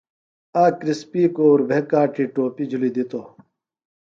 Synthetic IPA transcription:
aːkɾispiːkoːɾbʱekaːʈʰiːʈoːpid͡ʑʱulid̪it̪o

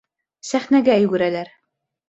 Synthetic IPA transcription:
sæχnæɡæjɵ̆ɡɵ̆ɾælæɾ

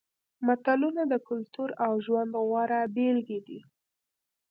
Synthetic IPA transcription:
mat̪alunad̪əkʊlt̪uɾawʒwand̪ɣwɑɾabelɡed̪i

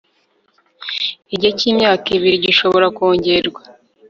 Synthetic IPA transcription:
iɟociːmɲaːkiβiɾiɟiʃo̞βo̞ɾakoːɲɟeɾɡwa

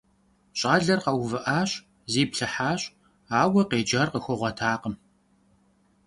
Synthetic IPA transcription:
ɕʼaːɮɐrqɐwvɨʔaːɕʼ | ziːpɬɨħaːɕʼ | aːwɐqeːd͡ʒɐrqəxʷɔʁʷɔtʰaːqəm

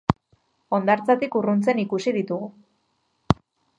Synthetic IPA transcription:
o̞nd̪aɾt͡sat̪ikurunt͡se̞nikusiðit̪uɣu

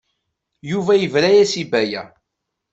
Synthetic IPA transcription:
juvæjəvɾæjæsibæjæ

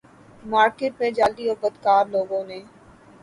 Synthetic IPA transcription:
maːɾkeːʈ̚mẽd͡ʒaːld̪iːobəd̪kaːɾloːɡõneː

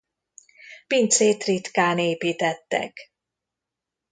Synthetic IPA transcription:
pint̪seːt̪rit̪kaːneːpiːt̪ɛt̪ːɛ̰k

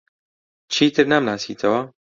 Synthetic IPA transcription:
t͡ʃʰiːt̪ɨɾnamnaːsḭːt̪ʰɐwɐ

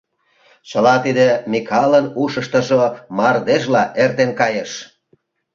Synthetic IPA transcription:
t͡ɕəlɑt̪id̪emikʰɑlənuʃə̆ʃt̪ə̆ʒomɑrd̪eʃlɑʔert̪enkɑjeʃ

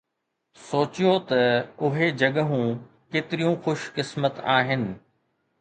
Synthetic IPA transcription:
soːt͡ɕijot̪ɐʊɦed͡ʑɐɠəɦũ | keːt̪ɪɾijũxʊʃkɪsmət̪aːɦɪnɪ̆

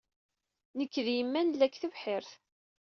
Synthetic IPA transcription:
nəkːðjəmːænlːækːθəvħɪɾθ

